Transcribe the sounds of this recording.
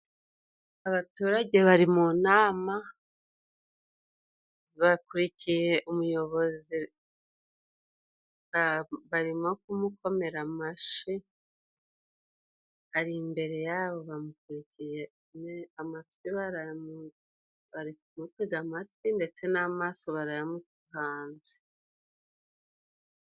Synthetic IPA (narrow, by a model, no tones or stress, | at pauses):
aβatuːɾaɟe̞βaɾimunaːma | βakuɾicije̞ʔumujo̞βo̞zi | aβaɾimo̞kumukʰo̞me̞ɾamaʃi | aɾimbe̞ɾe̞jaːβo̞βamukuɾicije | neamatwiβaɾamu | βaɾikumutwiɡamatwinde̞t͡se̞namaːso̞βaɾajamutuhaːnzi̥